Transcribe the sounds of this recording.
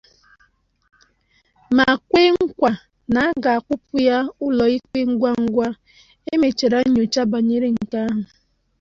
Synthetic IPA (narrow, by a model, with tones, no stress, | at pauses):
ma˨a˨kʷe˦ŋ̩˦kʷa˨ | na˨a˦ɡa˨a˨kʷʊ˦pʊ˦ja˦ʊ˦lɔ˨i˦k͡pe˦ŋ̩˦ɡʷa˦ŋ̩˦ɡʷa˦ | e˦me˨t͡ʃe˨ɾa˦ɲo˨t͡ʃa˦ba˨ɲe˦ɾe˦ŋ̩˨ka˦ɦʊ˨